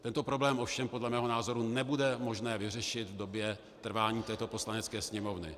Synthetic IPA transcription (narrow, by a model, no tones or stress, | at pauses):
t̪ɛnt̪opɾo̞blɛːmʔo̞fʃɛmpo̞dlɛmɛːɦo̞naːzo̞ɾunɛbudɛmo̞ʒnɛːvɪr̝ɛʃɪt̪vdo̞bjɛ | t̪r̩vaːɲiːt̪ɛːt̪o̞po̞slanɛt͡skɛːsɲɛmo̞vnɪ̰